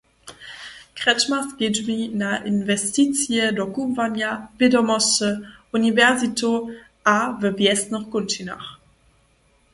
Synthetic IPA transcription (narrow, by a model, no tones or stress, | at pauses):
kʁɛt͡ʃmasɡ̥ɪdvinaʔɪnvɛstit͡sjədɔkuvanjavɪdɔmɔsəunivɛʁzito | avəvjɛstnɔχkʊntina̰χ